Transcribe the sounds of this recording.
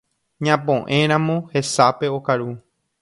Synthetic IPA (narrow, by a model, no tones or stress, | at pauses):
ɲãpõʔẽ̞ɾ̃ãmõhe̞sape̞okaɾu